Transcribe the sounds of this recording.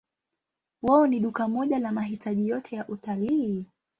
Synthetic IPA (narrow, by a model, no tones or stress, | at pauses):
waɔniɗukamɔʄalamaɦitʰaʄijɔtʰɛjaʔutaliː